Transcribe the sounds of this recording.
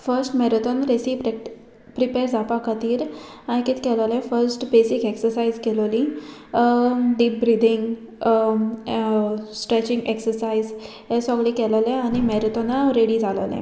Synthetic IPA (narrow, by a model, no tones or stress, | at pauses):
fəɾsʈmɛɾət̪onɾesipɾe | pɾipeɾd͡zapakət̪iːɾãjkiːt̪kɛllɛ̃fəɾsʈbesikeksəɾsaizkɛlolĩ | ɖiːp̚bɾid̪ʱiŋɡ | sʈɾet͡ɕiŋɡeksəɾsaiz | ɦẽsɔɡɭikɛllɛ̃aɽ̃imɛɾt̪ɔnaɾeɽid͡zʱalə̰lɛ̰̃